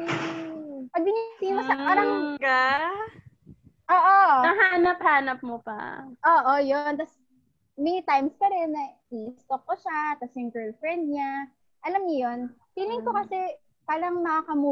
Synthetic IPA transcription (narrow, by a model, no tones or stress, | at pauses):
pɐɡ̚bɪnisimɐɐpaːɾɐŋɡa | ʔoːʔoɐɦaːnɐp̚haːnɐp̚mopɐ̰ʔoːʔojont̪ɐs | mɛnit̪ajmspɐɾɛnːɐ | iʔɪst̪ok̚ːoʃak̪ɐsɛjʊŋɡɛ˞lfɹɛnd̪̚ɲa | ʔɐlamɲɐjo̞nfiːlɪŋkokɐsɛ | paːɾɐŋmɐkakɐmuː